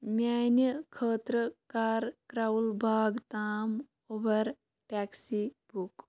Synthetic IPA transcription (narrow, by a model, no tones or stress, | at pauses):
mʲjaːnjəkʰəːt̪ɾəkaːɾkɾalbʱaːɡt̪aːm | obɐɾ | ʈaksibuk